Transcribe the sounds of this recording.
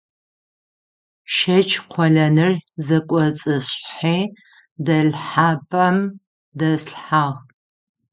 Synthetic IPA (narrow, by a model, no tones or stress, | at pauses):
ʃɐt͡ʃʰqʷʰɔɮɐnɨrzɐkʷʼɔt͡sʼɨɕħiː | dɐɮħaːpʰʼɐm | dɐsɬħaʁ